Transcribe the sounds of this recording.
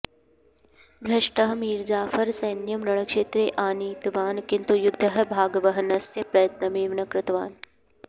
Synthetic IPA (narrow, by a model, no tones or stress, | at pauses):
bʱɾɐʃʈəɦmiːɾd͡ʒaːfɐɾsɐjnjɐmɾɐɽ̃əkʃeːt̪ɾeːʔaːniːt̪ʋaːnkɪ̃nt̪ujʊd̪ʱːɐɦbʱaːɡʋɐɦɐnɐsjɐpɾɐjɐt̪nɐmeːʋnɐkɾɪt̪ʋaːn